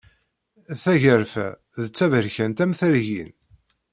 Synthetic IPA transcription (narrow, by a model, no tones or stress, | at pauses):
θæʝəɾfæ̰ | ðət͡sːævəɾçænt̪æmθəɾʝḭn